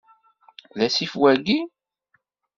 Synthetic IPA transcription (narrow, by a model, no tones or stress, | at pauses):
læsifwæɡi